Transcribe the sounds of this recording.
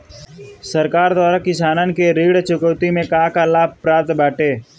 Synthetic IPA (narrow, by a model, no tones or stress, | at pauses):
səɾkaːɾd̪waːɾakɪsaːnankeɾiːɽt͡ʃʊkəwt̪imẽkaːkalaːb̚ʱpɾaːt̪baːʈeː